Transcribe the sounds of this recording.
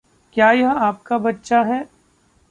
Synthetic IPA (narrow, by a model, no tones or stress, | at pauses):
kjaːjɐɦaːpkabɐtːʃaɦɛː